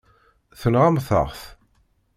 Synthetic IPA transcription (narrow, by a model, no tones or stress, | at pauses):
θənʁamθə̰ʁθ